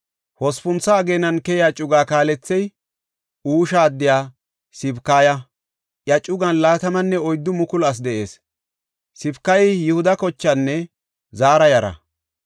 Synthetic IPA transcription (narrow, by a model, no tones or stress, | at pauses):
hɔspʊnt͡sːɐːɡeːnɐnkɛjɪjaːt͡ʃʼʊɡaːkaːlɛt͡sːɛj | uːʃaːd̪ːɪjaː | sɪbkaːjɐ | ʔjɐt͡ʃʼʊɡɐnlaːt̪ɐmɐnːɛɔjd̪ːʊmʊkʊlɐs̬d̪ɛʔe̞̰ːs | sɪbkːɐjɪjɪhʊd̪ɐkɔt͡ʃːɐnːɛ | zaːɾɐjɐɾɐ̰